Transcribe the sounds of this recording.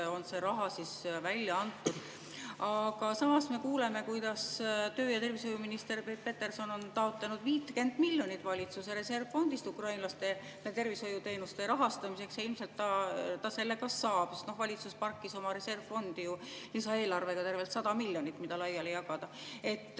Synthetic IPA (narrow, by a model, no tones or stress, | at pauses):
o̞nse̞ɾɑɦɑsisvælʲjɑɑnt̪ːˑud̪̥ | ɑɡ̥ɑsɑmɑsme̞kuːle̞me̞kujd̪ɑst̪øːjɑt̪e̞rviso̞juminist̪e̞rpet̪pe̞t̪ːe̞rso̞no̞nt̪ɑo̞t̪ˑlenud̪viːt̪ːke̞nd̪̥milʲjo̞nit̪ːˑvɑlʲit̪suseɾe̞se̞rvfo̞nd̪ist̪ukrɑjnlɑst̪e̞ | et̪e̞rviso̞jut̪e̞jnust̪e̞ɾɑɦɑst̪ɑmise̞ksjɑilmselt̪ːɑt̪ɑse̞lːe̞kɑsːɑːb̥sest̪no̞hvɑlʲit̪suspɑrkːˑiso̞mɑɾe̞se̞rvfo̞nd̪̥ijulisɑe̞ːlɑrve̞ɡ̥ɑt̪e̞rve̞lt̪sɑd̪ɑmilʲjonit̪ːˑmid̪ɑlɑjːɑle̞jɑɡɑd̪̥ɑe̞t̪ː